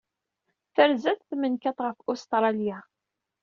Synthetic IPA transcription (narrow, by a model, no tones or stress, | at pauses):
θəɾzæθθmənkæt̪ʁəfʊst̪ɾˤɑlja